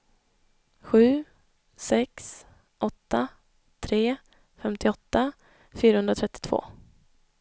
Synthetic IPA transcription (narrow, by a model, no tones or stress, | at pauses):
ɧʉ̟ː | sɛks | ʔɔt̪ːa | t̪ʰɾeː | fɛmt̪ɪɔt̪ːa | fyːɾahɵnd̪ɾat̪ʰɾɛt̪ːɪ̥t̪ʰv̥o̰ː